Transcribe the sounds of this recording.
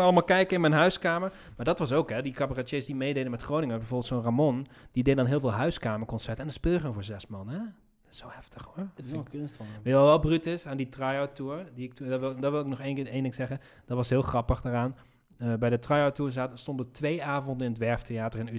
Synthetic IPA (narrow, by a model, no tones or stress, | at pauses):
ɑlˠəmaːlˠkɛjkəɪnmɛjnɦœɥskaːməɹ | maːɹdɑtʋɑs̬owkɦɛdikapəratesdimejdejdəmɛtχrownɪŋəbɛjvoːbəlˠtsoːnramɔnd̥idejdədɑnɦɪːlˠvɪːlˠɦœɥskaːməɹkɔnsɛɹtɛndɔspɪlˠjəoːnvoːɹzɛsmɑnɛ | ɪ̥sowhɛftəχhoɹnsʋɛjɔlˠʋɛlˠbrytɪsaːnditrajawtuːɹdiɪk̚tuɪlˠdɔʋɪlˠɪknɔχenejndɪŋsɛχən | d̥ɔtʋɑsɦɪːlˠχrɑpəχdaːraːn | əbɛjdətrajawtuːɹzaːtəstɔndətʋejaːvɔndənɪnətʋɛɹftejaːtərɪny